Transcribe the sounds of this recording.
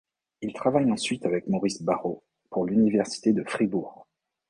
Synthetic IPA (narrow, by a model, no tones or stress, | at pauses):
ilt̪χavajɑ̃sɥit̪avɛkmɔʁisbaʁo | puʁlynivɛʁsi̥t̪ed̪əfχibuːʁ